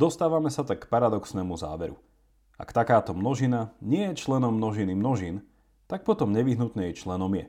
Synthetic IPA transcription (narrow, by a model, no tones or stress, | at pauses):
d̪ɔst̪aːʋamɛsat̪akːpaɾad̪ɔksnɛːmuza̰ːʋɛɾu | a̰kt̪akaːt̪ɔmnɔʒinaɲɪɛjɛt͡ʃlɛnɔmːnɔʒinimnɔʒin | t̪ak̚pɔt̪ɔmɲɛʋiɦnut̪nɛjt͡ʃlɛnɔmjɛ